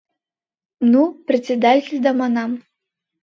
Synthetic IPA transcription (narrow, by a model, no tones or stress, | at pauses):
nuprʲɪsʲed̪atʲɪlʲd̪ɑmɑnɑm